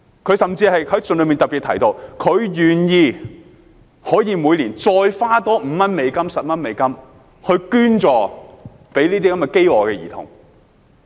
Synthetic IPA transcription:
kʰɵ˨˧ɥsɐ˨mt͡siː˧hɐ˨jhɐ˨˥jt͡snlɵ˨˧ɥmiː˨nt̪ɐ˨p̚i˨˩t̪ʰɐ˨˩jt̪o˧wkʰɵ˨˧ɥjyː˨njiː˧ | hɔː˨˥jiː˨˧muː˨˧jliː˨˩nt͡sɔː˧jfaː˥t̪ɔː˥m̩˨˧mɐ˥nme˨˧jkɐ˥msɐ˨p̚mɐ˥nme˨˧jkɐ˥m | hɵ˧ɥkyː˥nt͡ʃɔː˨ | pe˨˥jliː˥t̪iː˥kɐ˨˥mɛ˨˩ke˥jɔː˨˩kɛː˧jḭ˨˩t̪ʰʊ̰˨˩ŋ

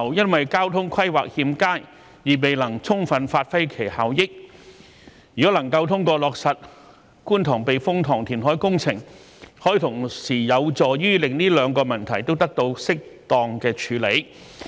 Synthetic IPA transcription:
wjɐ˥nwɐ˨jkaː˥wt̪ʰʊ˥ŋkʰɐ˥jwaː˨k̚hiː˧mkaː˥j | jiː˨˩me˨jlɐ˨˩ŋt͡sʰʊ˥ŋfɐ˨˧nfaː˧t̚fɐ˥jkʰe˨˩jhaː˨wjɪ˥k̚ | jyː˨˩kɔ˨˥lɐ˨˩ŋkɐ˧wt̪ʰʊ˥ŋkɔː˧lɔː˨k̚sɐ˨t̚ | kuː˥nt̪ʰɔː˨˩ŋpe˨jfʊ˥ŋt̪ʰɔː˨˩ŋt̪ʰiː˨˩nɦɔː˨˥jkʊ˥ŋt͡sʰɪ˨˩ŋ | hɔː˨˥ji˨˧t̪ʰʊ˨˩ŋsiː˨˩jɐ˨˧wt͡sɔː˨˩jyː˥lɪ˨ŋniː˥lœː˨˧ŋkɔː˧mɐ˨˩nt̪ʰɐ˨˩jt̪o˥wt̪ɐ˥k̚t̪o˧wsɪ˥k̚t̪ɔː˨ŋkɛː˧t͡ʃʰyː˨˧˥le˨˧˥j

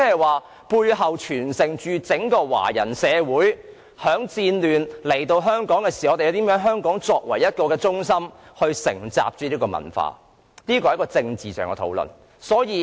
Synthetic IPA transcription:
ɛː˥ɐ˨˩jwaː˨˩ | puː˧jɦɐ˨wt͡ʃʰyː˨˩nsɪ˨˩ŋt͡ʃyː˧t͡sɪ˨˥ŋkɔː˧wa̰ː˨˩jɐ˨˩nsɛː˨˧wuː˨˥j | hœː˨˥ŋt͡siː˧nlyː˨˩nle˨˩jt̪o˧wɦœː˥ŋkɔː˨˥ŋkɛː˧siː˨˩˨t̪e˨jɐ˧wt̪iː˨˥mjœː˨˥ŋɦœː˥ŋkɔː˨˥ŋt͡sɔː˧k̚wɐ˨˩jjɐ˥t̚kɔː˧kɛː˧t͡sʊ˥ŋsɐ˥mhɵ˧ɥsɪ̰˨˩ŋt͡sa̰ː˧p̚t͡ʃyː˨˥liː˥kɔː˧mɐ̰˨˩nfa̰ː˧ | niː˥k̬ɔː˧hkɔː˧t͡sɪ˧ŋt͡siː˨sœː˨ŋkɛ̰˧t̪ʰo̰˨˥wlɵ̰˨˩n | sɔː˨˥jiː˨˧

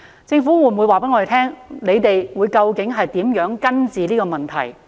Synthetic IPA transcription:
t͡sɪ˧ŋfu˨˥wu˨˧˩mwu˨˧jwaː˨pe˨˥jŋɔ˨˧˨t̪ʰɛː˥ŋne˨˧jt̪e˨jwuː˨˧jkɐ˧wkɪ˨˥ŋɦɐ˨jt̪iː˨˥mjœː˨˥ŋkɐ˥nt͡siː˨liː˥kɔː˧mɐ˨nt̪ʰɐ̰˨˩j

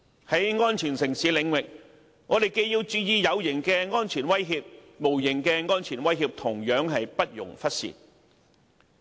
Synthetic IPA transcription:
hɐ˨˥jŋɔː˥nt͡ʃʰyː˨˩nsɪ˨˩ŋsiː˨˥lɪ˨˧ŋwɪ˨k̚ | ŋɔː˨˧t̪e˨˩jke˧jjiː˧wt͡syː˧jiː˨˧jɐ˨˧wjɪ˨˩ŋkɛː˧ŋɔː˥nt͡ʃʰiː˨˩nwɐ˥jɦiː˧p̚ | mo˨˩wjɪ˨˩ŋkɛː˧ŋɔː˥nt͡ʃʰyː˨˩nwɐ˥jɦiː˧p̚t̪ʰʊ˨˩ŋjœː˨˥ŋɦɐ˨jpɐ˥t̚jʊ̰˨˩ŋfɐ˥t̚sḭː˨˩t̚

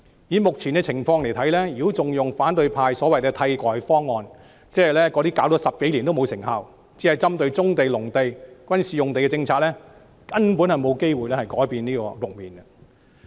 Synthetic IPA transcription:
jiː˨˥mʊ˨k̚t͡sʰiː˨˩nɡɛː˧t͡sʰɪ˨˩ŋfɔː˧ŋle˨˩jt̪ʰɐ˨˥jlɛ˥jyː˨˥t͡sʊ˨ŋjʊ˨ŋfaː˨˥nt̪ɵ˧ɥpʰaː˧jsɔː˨˥wɐ˨jkɛː˧t̪ʰɐ˧jkɔː˨jfɔː˥ŋːɔː˧n | t͡sɛː˥ɐ˨˩jlɛː˥kɔː˨˧t̪iː˥kaː˨˥wtɔː˨˧˥sɐ˨p̚ke˨˥liː˨˩nt̪o˥wmo˨˧wsɪ˨˩ŋhaː˨˧w | t͡si˨˥hɐ˨jt͡sɐ˥mt̪ɵ˧ɥt͡sʊ˥ŋt̪e˨jlʊ˨˩ŋt̪e˨jkwɐ˥nsiː˨˩jʊ˨ŋt̪e˨jkɛ˧t͡sɪ˧ŋt͡sʰaː˧t̚lɛː˥ | kɐ˥npuː˨˥nhɐ˨jmo˨˧wke˥jwuː˨jlɛː˥hɐ˨jkɔː˨˥jpiː˨niː˥kɔ̰ː˧lʊ˨k̚miː˨nɡɐ˧

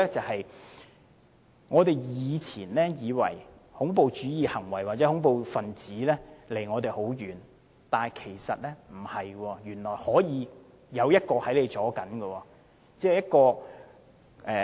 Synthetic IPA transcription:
ɛ˥t͡sɐ˨hɐ˨j | ŋɔː˨˧t̪e˨jjiː˨˧t͡sʰiː˨˩nlɛː˥jiː˨˧wɐ̰˨˩jhʊ˨˥ŋpo˨wt͡ʃyː˨˥jiː˨˧hɐ˨˩ŋwɐ˨˩jwaː˨t̚t͡sɛː˨˥hʊ˨˥ŋpo˨wfɐ˨nt͡siː˨˥lɛː˥le˨˩jŋɔː˨˧t̪e˨jho˨˥wjyː˨n | t̪aː˨kʰe˨˩jsɐ˨t̚lɛː˥m̩˨˩hɐ˨jɡwɔː˧jyː˨˩nlɔː˨˩jhɔː˨˥jiː˨˧ | jɐ˨˧wjɐ˥t̚kɔː˧hɐ˨˥jle˨˧jt͡sɔː˨˥kɐ˨˥nɡɐ˧wɔː˧ | t͡sɛː˥˩jɐ˥t̚kɔː˧ | ʔɛː˨

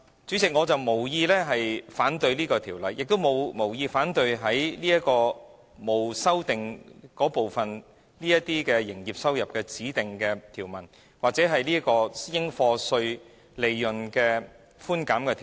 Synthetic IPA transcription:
t͡syː˨˥t͡sɪ˨k̚ŋɔː˨˧t͡sɐ˨wmo˨˩wjiː˧lɛː˥ɦɐ˨jfaː˨˥nt̪ɵ˧ɥliː˥kɔː˧t̪ʰiː˨˩wlɐ˨˧jːɪ˨k̚t̪o˥wmo˨˧wmo˨˩wjiː˧faː˨˥nt̪ɵ˧ɥɦɐ˨˥jliː˥ɐ˥kɔː˧ | mo˨wsɐ˥wt̪ɪ˨ŋkɔː˨˥po˨wfɐ˨n | liː˥jɐ˥t̪iː˥kɛː˧jɪ˨˩ŋjiː˨p̚sɐ˥wjɐ˨p̚kɛː˧t͡siː˨˥t̪ɪ˨ŋkɛː˧t̪ʰiː˨˩wmɐ˨˩n | waː˨k̚t͡sɛ˨˥ɦɐ˨jliː˥kɔː˧jɪ˥ŋfɔː˧sɵ˧ɥ | le˨jːɵ˨˩nkɛː˧ | fuː˥nkaː˨˥mkɛː˧t̪ʰː

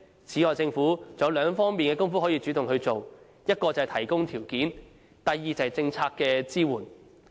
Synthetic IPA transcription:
t͡sʰiː˨˥ɔː˨jt͡sɪ˧ŋfuː˨˥t͡sɐ˨˧˥wlœː˨˧ŋfɔː˥ŋmiː˨nkɛː˧kʊ˥ŋfu˥hɔː˨˥jiː˨˧t͡ʃy˨˥t̪ʊ˨ŋhɵ˧ɥt͡so˨w | jɐ˥t̚kɔː˧t͡sɐ˨ɐ˨jt̪ʰɐ˨˩jkʊ˥ŋt̪ʰiː˨˩wkiː˨˥n | t̪ɐ˨jːiː˨t͡sɐ˨ɐ˨jt͡sɪ˧ŋt͡sʰaː˧kːɛː˧t͡siː˥wuː˨˩n

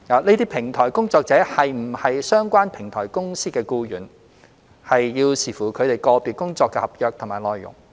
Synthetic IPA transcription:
aː˨˧ne˥t̪iː˥pʰɪ˨˩ŋt̪ʰɔː˨˩jkʊ˥ŋt͡sɔː˧k̚t͡sɛː˨˥hɐ˨jm̩˨˩hɐ˨jsœː˥ŋkʷaː˥npʰɪ˨˩ŋt̪ʰɔː˨˩jkʊ˥ŋsiː˥kɛː˧kuː˧jyː˨˩n | hɐ˨jjiː˧wsiː˨˩fuː˨˩kʰɵ˨˧ɥt̪e˨˩jkɔː˧piː˨t̚kʊ˥ŋt͡sɔː˧kːɛː˧hɐ˨p̚jœː˨˧k̚t̪ʰʊ˨˩maː˨˩jlɔː˨jːʊ̰˨˩ŋ

